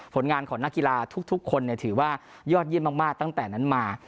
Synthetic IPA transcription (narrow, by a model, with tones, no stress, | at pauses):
pʰo˩˦nŋaː˧nkʰɔː˩˦na˦˥kːi˧laː˧t̪ʰu˦˥k̚t̪ʰu˦˥kʰːo˧nːi˥˩t̪ʰɯː˩˦waː˥˩ | jɔː˥˩t̪̚jəmaː˥˩maː˥˩k̚t̪a˥˩ŋt̪ɛː˨˩na˦˥nmaː˧